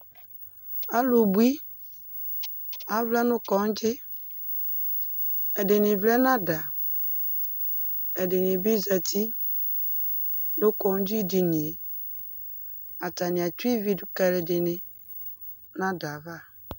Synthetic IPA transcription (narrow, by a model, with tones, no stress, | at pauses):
a˦lu˨bwi˦ | a˨vlɛ˦nʊ˦kɔ˨˦d͡ʒɪ˦ | ɛ˨dɪ˨nɪ˨vlɛ˦na˦da˨ | ɛ˨dɪ˨nɪ˨bi˦za˨tʰi˦ | nʊ˦kɔ˨˦d͡ʒi˦di˨ni˨e˨ | a˨ta˨nɪ˨a˨ti˦vi˨du˦kɛ˨le˨dɪ˨nɪ˨ | na˦da˨va˦˨